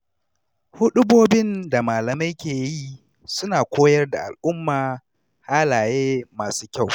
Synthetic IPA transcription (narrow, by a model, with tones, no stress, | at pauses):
hʊ˦ɗʊ˦boː˦bɪ˦nda˨maː˨lɐ˨ma˦jkʲeː˨ji˦ | sʊ˦naː˨kʷoː˦jɐ˦rda˨ʔa̰˨lʔʊ˦mːaː˨ | haː˦laː˨jeː˦maː˨suː˦kʲa˦˨w